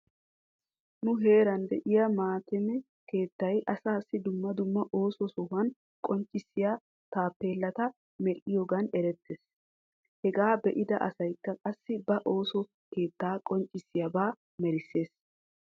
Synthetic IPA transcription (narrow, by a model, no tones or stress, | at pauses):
nʊɦe̞ːɾɐnd̪ɛʔɪjɐmaːt̪ɛmɛ | ke̞ːt̪ːɐjʔɐsaːsːɪd̪ʊmːɐd̪ʊmːɐʔo̞ːsɔsɔhɐn | kʼɔnt͡ʃʼːɪsːɪja | t̪aːpːe̞ːlːɐt̪ɐ | mɛɾʔɪjoɡɐnɛɾɛt̪ːeːs | hɛɡaːbɛʔɪd̪ɐʔɐsɐjkːɐkʼɐsːɪbɐʔo̞ːsɔ | ke̞ːt̪ːaːkʼɔnt͡ʃʼːɪsːɪjɐbaː | mɛɾɪsːe̞ːs